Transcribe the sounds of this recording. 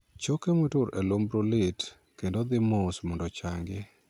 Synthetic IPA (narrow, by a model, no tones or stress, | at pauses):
t͡ʃokemotʊɾelombɾolɪt | kendod̪ɪmosmɔndɔt͡ʃaŋɡɪ